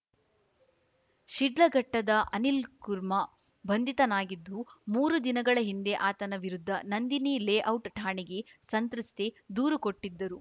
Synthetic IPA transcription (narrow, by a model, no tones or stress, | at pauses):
ʃiɖlɐɡɐʈːɐd̪ɐʔɐnilkuɾmɐ | bʱɐnd̪ʱit̪ɐnaːɡid̪ːumuːɾud̪inɐɡɐɭɐɦind̪e̞ʔaːt̪ɐnɐʋiɾud̪ʱːɐnɐnd̪inileːʔɐwʈʈʰaːɳiɡe̞sɐnt̪ɾust̪ʰed̪uːɾukoʈːid̪ːɐɾu